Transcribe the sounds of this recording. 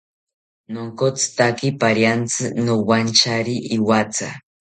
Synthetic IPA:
noŋkot͡sɨ̥t̪akipaɾjant͡sɨnowant͡ʃaɾiʔːwat͡sa̰

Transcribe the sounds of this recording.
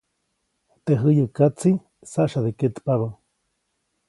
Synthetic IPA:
t̪eɦɨjəkat͡si | saʔʃaðeket̪paβa

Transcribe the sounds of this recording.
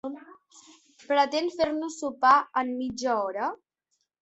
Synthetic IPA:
pɾət̪enfeɾnusːupaəmːid͡ʒəɔɾə

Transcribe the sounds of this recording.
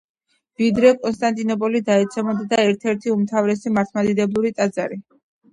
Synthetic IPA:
vid̪ɾɛkʼɔnst̪ʼant̪ʼinɔpʼɔlid̪aɛt̪sʰɛmɔd̪d̪aɛɾt̪ʰɛɾt̪ʰiumt̪ʰavɾɛsimaɾt̪ʰmad̪id̪ɛblˠuɾit̪ʼad̪zaɾi

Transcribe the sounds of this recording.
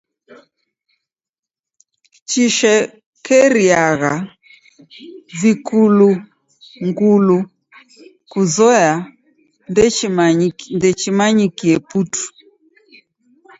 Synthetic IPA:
t͡ʃiʃɛ | kɛɾiaɣa | vikʰulu | ŋɡulu | kuzɔja | ndɛt͡ʃimaɲikiɛputu̥

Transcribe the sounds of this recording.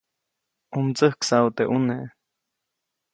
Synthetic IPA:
umt͡səhksaut̪eʔune

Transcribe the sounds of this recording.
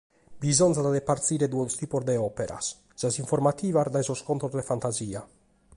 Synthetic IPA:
bizɔnzad̪ad̪epaɾt̪siːɾed̪uːost̪iːpozd̪eɔpeɾa̰s | sasiɱfoɾmat̪iːvaɾd̪ajzoskont̪ɾozd̪efant̪aziːa

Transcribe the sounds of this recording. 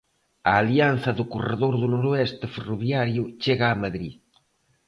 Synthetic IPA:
ɐːlian̟θɐðʊkoreðoɾðʊnoɾoɛst̪eferuβjaɾjʊt͡ʃeɣaːmaðɾḭ

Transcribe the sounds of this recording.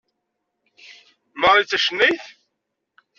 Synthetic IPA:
məɾˤit͡sːæʃənːiθ

